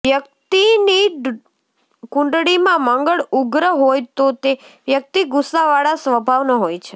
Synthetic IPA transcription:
ʋjək̚t̪iniɖ | kʊ̃ɳɖɽimãmə̃ŋɡəɭuɡɾəɦojt̪ot̪eʋjək̚t̪iɡʊsːaʋaɭasʋəbʱaʋnəɦojt͡ʃʰe

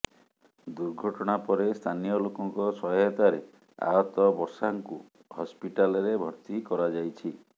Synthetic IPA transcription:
d̪uɾɡʱɔʈɔɽ̃apɔɾest̪ʰanijɔlokɔŋkɔsɔɦɔt̪aɾe | a̰ɦɔt̪ɔbɔɾsaŋku | hɔspiʈalɔɾebʱɔɾt̪ikɔɾad͡ʒajt͡ʃʰi

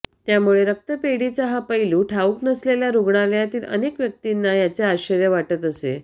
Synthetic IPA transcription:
t̪jamuɭeɾək̚t̪əpeɽit͡saɦapəiluːʈʰauːknəsleljaɾuɡɳaljat̪iːlə̰nekʋjək̚t̪inːajat͡seaɕəɾjəʋaʈət̪əsḛ

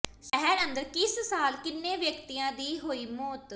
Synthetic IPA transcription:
səɦɛɾənd̪əɾkɪssaːlkɪnːẽːʋjəkt̪iːjãːd̪iːɦoːiːmɔːt̪

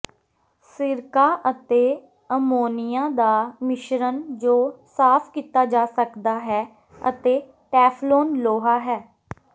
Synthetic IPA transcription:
sɪɾkaːʔət̪eː | əmoːnɪjãːd̪aːmɪʃɾənd͡ʒoːsaːpʰkiːt̪aːd͡ʒaːsəkd̪aːɦɛː | ə̰t̪eː | ʈɛːpʰloːnloːɦaːɦɛː

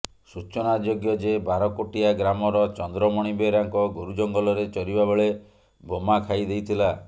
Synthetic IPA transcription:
sut͡ʃɔnad͡ʒoɡjɔd͡ʒebaɾɔkoʈiaɡɾamɔɾɔt͡ʃɔnd̪ɾɔmɔɽ̃ibeɾaŋkɔɡoɾud͡ʒɔŋɡɔlɔɾet͡ʃɔɾibabeɭe | bʱomakʰajd̪ejt̪ʰila

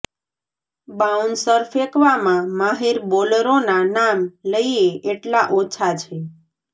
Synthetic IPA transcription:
baunsəɾfekʋamãmaɦeɾboləɾonanamləieʔeʈlaʔot͡ʃʰat͡ʃʰe

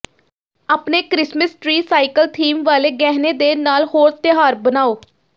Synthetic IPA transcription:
aːpneːkɾɪsməsʈɾiːsaːikəlt̪ʰiːmʋaːleːɡɛːɦneːd̪eːnaːlhoːɾt̪ɪɦaːɾbənaːoː

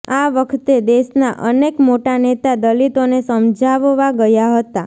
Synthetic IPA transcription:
aʋəkʰt̪ed̪eʃnaʔə̰nekmoʈanet̪ad̪əlit̪onesəmd͡ʒaʋʋaɡəjaɦət̪a

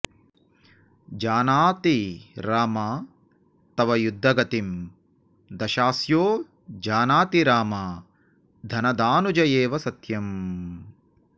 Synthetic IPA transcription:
d͡ʒaːnaːt̪iɾaːmaː | t̪ɐʋɐjud̪ʱːɐɡɐt̪im | d̪ɐʃaːsjoː | d͡ʒaːnaːt̪iɾaːmaː | d̪ʱɐnɐd̪aːnud͡ʒɐjeːʋɐsɐt̪jɐm

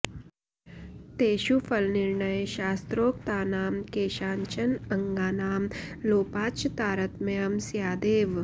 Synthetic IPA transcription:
t̪eːʃufʰɐlnɪɾɳəjʃaːst̪ɾoːkt̪aːnaːmkeːʃaːɲt͡ʃɐnɐŋɡaːnaːmloːpaːt͡ʃt̪aːɾɐt̪mɐjəmsjaːd̪eːʋ

